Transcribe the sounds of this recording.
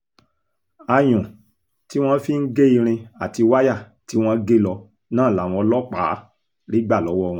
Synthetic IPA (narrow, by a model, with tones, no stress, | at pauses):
a˧j̃ɔ̃˨ | ti˨˦w̃ɔ̃˦fi˦n̩˦ɡe˦i˧ɾ̃ĩ˧a˨ti˧wa˦ja˦˨ | ti˨˦w̃ɔ̃˦ɡe˦lɔ˧ | nãː˦˨la˨w̃ɔ̃˧lɔ˦k͡pa˨˦ | ɾi˦ɡ͡ba˦˨lɔ˨˦wɔ˦˧w̃ɔ̃˧